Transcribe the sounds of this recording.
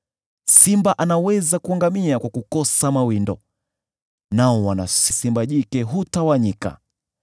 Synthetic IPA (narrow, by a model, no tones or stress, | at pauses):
simbaʔanawɛzakuaŋɡamiakwakukɔsamawindɔ | naɔwanasisimbaʄikɛɦutawaɲika̰